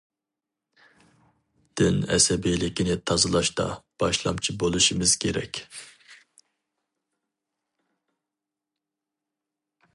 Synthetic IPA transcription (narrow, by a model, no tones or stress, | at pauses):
d̪̥ynɛ̰sɛbijlɪkʲʰinɪt̪ʰɑzɨlˠɑʃt̪ɑ̰b̥ɑʃlˠɑmt͡ʃʰibolˠuʃimɨz̥kʲʰeɾɛ̰kʲ